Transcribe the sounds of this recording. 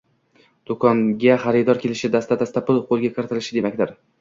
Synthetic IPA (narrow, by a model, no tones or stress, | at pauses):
d̪̥okʰɒŋɡʲaχaɾɪd̪ɒɾkʲʰe̞lɪʃɪd̪ast̪ad̪ast̪apʊlˠqʰolˠɡʲakʰɾɪt̪ɪlɪʃɪd̪e̞makʲd̪ɪɾ